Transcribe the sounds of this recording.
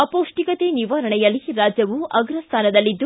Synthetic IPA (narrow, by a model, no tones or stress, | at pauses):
ɐpoːʂʈikɐt̪eniʋɐɾɐɳɛjɐlːiɾaːd͡ʒjɐʋuɐɡɾɐst̪ʰaːnɐd̪ɐlːid̪ːu